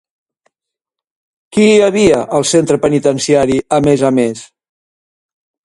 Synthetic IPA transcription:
kiːəβiəʔəlˠsent̪ɾəpənit̪ənsiaɾiəmezəmes

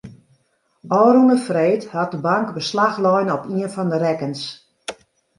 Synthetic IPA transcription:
ɔːɾunəfreːthat̚dəbaŋkbəslaxlɔjnəɔpiənfɔndəɾɛkəns

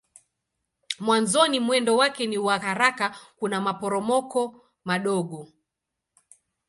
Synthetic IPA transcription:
mwanzɔnimwɛndɔwakɛniwahaɾakakunamapɔɾɔmɔkɔ | maɗɔɠɔ

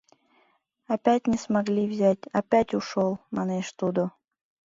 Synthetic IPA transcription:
apʲætʲnʲɪsmaɡlʲivzʲætʲapʲætʲuʂolˠmaneʃt̪ud̪o

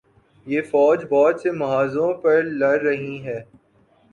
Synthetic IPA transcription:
jeːfɔːd͡ʒbɔːd͡ʒsemɐɦaːzõpɐɾlɐɾːɐɦĩɦɛː

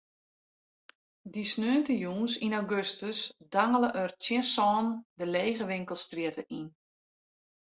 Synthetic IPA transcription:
disnøːntəjuːnsinaɡøstəsdaŋələʔərtjɪnsɔːndəleːɣəʋɪŋkəlˠstriətəin

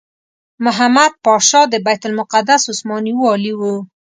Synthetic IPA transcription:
mʊɦamad̪̚pɑʃɑd̪əbajt̪ʊlmʊqad̪asʊsmɑniwuɑliwu

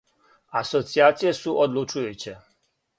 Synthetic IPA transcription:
asɔt̪siat̪sijɛsuʔɔd̪lut͡ʃujut͡ɕɛ

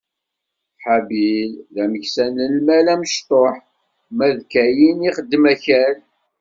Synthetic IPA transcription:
ħabilðæməçsænəlmælæməʃt̪ˤoħ | mæðkæjiniχəd̪ːəmæçæl

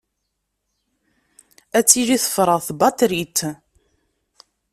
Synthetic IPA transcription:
æt͡sːiliθə̥fɾˤəʁθbɑt̪ɾit̪

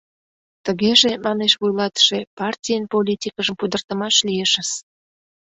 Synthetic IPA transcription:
t̪əɣeʒemɑneʃβujlɑt̪ə̥ʃepɑrtʲijənpolʲitʲikəʒəmpud̪ərt̪əmɑʃlieʃəs

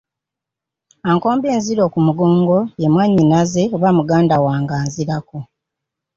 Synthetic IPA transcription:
aːŋko̞ːmbe̞ːnziɾo̞ːkumuɡo̞ːŋɡo̞jemwaɲːinaze̞oβamuɡaːndawaːŋɡaːnziɾako

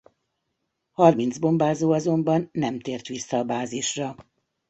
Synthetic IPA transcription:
hɒrmind̪zbo̞mbaːzoːɒzo̞mbɒnːɛmt̪eːrt̪ʋisːɒːbaːziʃrɒ

